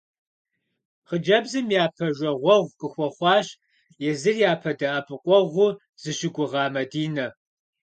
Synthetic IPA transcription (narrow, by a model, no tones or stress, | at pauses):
χəd͡ʒɐbzɨmjaːpʰɐʒʷɐʁʷɔʁʷqʼəxʷɔχʷɑːɕ | jɛzɨrjaːpʰɐdɐʔɐpʰʼɨqʷʼɔʁʷʊ | z̥ɨɕɪɡʷʊʁɑːmɐdiːnɐ